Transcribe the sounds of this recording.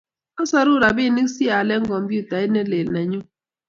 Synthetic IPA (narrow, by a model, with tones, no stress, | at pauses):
a˦sa˦ɾu˦˨ɾa˨bi˦˨ni˦ksi˦a˨lɛ˦ŋ̩˦kɔ˨mpu˦˨ta˨e˦nɛ˦le˨lna˨ɲu˦